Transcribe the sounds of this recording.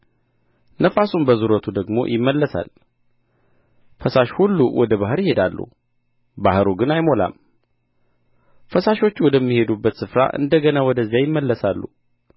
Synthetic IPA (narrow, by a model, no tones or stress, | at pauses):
nəfasunbəzuɾət̪ʰud̪əɡmo̞̰jʔɪmːəlːəsa̰l | fəsaʃhulːuwɔd̪əbaɦɨɾjɪhe̞d̪alːṵ | bahɾuɡɨnajmo̞la̰m | fəsaʃo̞t͡ʃːwɔd̪əmːihe̞d̪ubːət̪sɨfɾa̰ʔɨ̰nd̪əɡənawɔd̪əzːjajɪmːəlːəsalːṵ